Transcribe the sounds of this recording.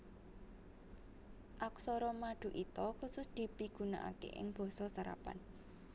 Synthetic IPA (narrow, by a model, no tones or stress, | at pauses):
ʔaksɔɾɔmaɖ̪̥ṳʔit̪ɔxusʊsd̪̥i̤piɡ̥ṳna̰ʔa̰kḛʔɪ̰ŋb̥ɔ̤sɔsaɾa̰pa̰n